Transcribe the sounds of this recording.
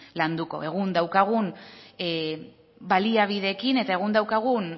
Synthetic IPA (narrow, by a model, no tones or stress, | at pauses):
land̪uko̞̰e̞ɣund̪awkaɣun | baliaβ̞iðe̞kine̞t̪ae̞ɣ̞und̪awkaɣ̞un